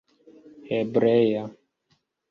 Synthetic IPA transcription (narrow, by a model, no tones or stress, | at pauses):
hɛbɾɛja